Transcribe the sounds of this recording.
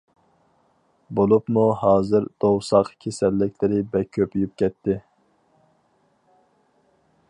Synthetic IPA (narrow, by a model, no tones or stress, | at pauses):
bolˠupmuɦɑːzɨɾd̪̥owsɑqkʲʰesɛlːɪkʲlɪɾɪbɛkʲʰøpyjyp̚kʲʰɛt̪ʰːɪ